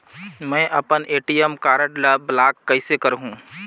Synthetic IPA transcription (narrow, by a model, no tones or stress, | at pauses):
mɛ̃ːʔɐ̰pənʔeːʈijəmkaːɾəʈlblaːkːɐɪsekɐɾɦũː